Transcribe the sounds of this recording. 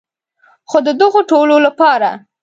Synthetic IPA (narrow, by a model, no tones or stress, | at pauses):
xod̪əd̪əɣoʈololapɑɾa̰